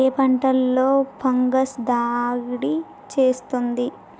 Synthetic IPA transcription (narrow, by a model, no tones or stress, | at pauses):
eːpɐɳʈɐlːo̞ːpɐŋɡɐsd̪aːɡɽi | t͡ʃe̞ːst̪und̪i